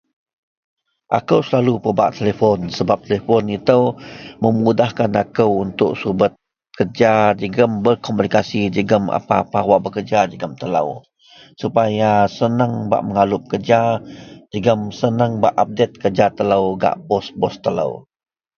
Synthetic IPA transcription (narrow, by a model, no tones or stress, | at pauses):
ʔa̰kəwsəlalupəba̰ʔt̪elefɔnsəbap̚t̪elefɔnit̪əwməmudahkanakəwunt̪ʊʔsubət̪̚ | kʰərd͡ʒad͡ʒəɡəmbərkɔmunikasid͡ʒəɡəma̰paːpawaʔbəkərd͡ʒad͡ʒəɡəmt̪ələ̰w | supajasənəŋba̰ʔməŋalʊp̚kərd͡ʒad͡ʒəɡəmsənəŋba̰ʔap̚det̪̚kərd͡ʒat̪ələwɡa̰ʔbɔsbɔst̪ələ̰w